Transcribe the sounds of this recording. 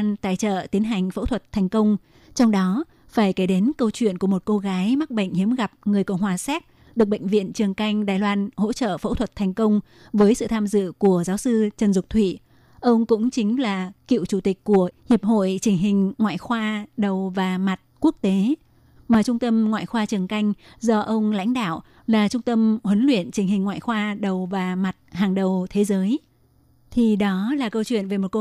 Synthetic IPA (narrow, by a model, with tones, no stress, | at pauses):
nt̪a̰ː˧˨jt͡ɕə̰ː˧˨t̪i˨˦ənɦa˨˩jŋ̟fə̰˧˥t̪ʰwə˨˩t̚t̪ʰa˨˩jŋ̟kə˧wŋ͡m | t͡ɕɔ˧wŋ͡mɗɔ˨˦ | faː˧˩jke˨˦ɗe˨˦nkə˧wt͡ɕwḭ˧˨ənku˧˩əmo˨˩t̚ko˧ɣaː˨˦jma˦˥k̚ɓə̰˧˨ŋ̟hi˨˦əmɣa˨˩p̚ŋɨ˨˩əjkə̰˧˨wŋ͡mhwaː˨˩sɛ˦˥t̚ | ɗɨ˨˩ək̚ɓə̰˧˨ŋ̟vḭ˧˨ənt͡ɕɨ˨˩əŋka˧jŋ̟ɗaː˨˩jlwaː˧nho̰˧˥t͡ɕə̰ː˧˨fə̰˧˥t̪ʰə˨˩t̚t̪ʰɛ˨˩ŋ̟kə˧wŋ͡m | vəː˨˦jsɨ̰˧˨t̪ʰaː˧mzɨ̰˧˨ku˧˩əzaː˨˦wsɨ˧t͡ɕə˨˩nzʊ˨˩k͡p̚t̪ʰwḭ˧˨ | ʔə˧wŋ͡mkʊ̰˧˥ŋ͡mt͡ɕï˨˦ŋ̟laː˨˩kḭ˧˨wt͡ɕu˧˩t̪i˨˩k̟̚kːu˧˩əhi˨˩əp̚ho̰˧˨jt͡ɕï˨˩ŋ̟ɦï˨˩ŋ̟ŋwa̰ː˧˨jxwaː˧ɗə˨˩wvaː˨˩ma˨˩t̚ku˦˥ək̚t̪e˨˦ | maː˨˩t͡ɕʊ˧ŋ͡mt̪ə˧mŋwa̰ː˧˨jxwaː˧t͡ɕɨ˨˩əŋka˧jŋ̟zɔ˧ʔə˧wŋ͡mla̰˧˥jŋ̟ɗa̰ː˧˨w | laː˨˩t͡ɕʊ˧ŋ͡mt̪ə˧mhwə˨˦nlwḭ˧˨ənt͡ɕï˨˩ŋ̟hï˨˩ŋ̟ŋwa̰ː˧˨jxwaː˧ɗə˨˩wvaː˨˩ma˨˩t̚haː˨˩ŋɗə˨˩wt̪ʰe˨˦zəː˨˦j | t̪ʰi˨˩ɗɔ˨˦laː˨˩kə˧wt͡ɕwḭ˧˨ənve˨˩mo˨˩ko˧